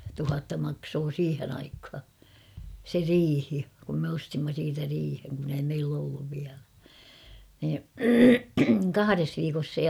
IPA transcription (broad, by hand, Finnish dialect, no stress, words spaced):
tuhɑtːɑ mɑksoː siːhen ɑikhɑ se riːhi kum me ostimːɑ siːtæ riːheŋ kun ei meilː olːuʋ ʋiælæ niː kɑhɑres ʋiːkos se